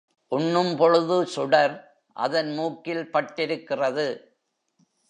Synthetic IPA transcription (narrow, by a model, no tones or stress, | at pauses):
ʔʊɳːɯmpɔɻɯðɯsʊɽɐɾ | ʔɐ̰ðɐnmuːkːɪlpɐʈːɪɾɯkːɪrɐðɯ